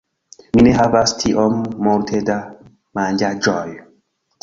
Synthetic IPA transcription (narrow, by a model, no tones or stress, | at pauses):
mineɦavastʰiʔɔmːɔɾtʰeda | mand͡ʒad͡ʒɔj